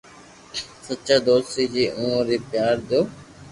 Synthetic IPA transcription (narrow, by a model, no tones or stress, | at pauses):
sət͡ʃaːd̪oːst̪iːd͡ʑiːʔũːɾiːpjaːɾd̪oː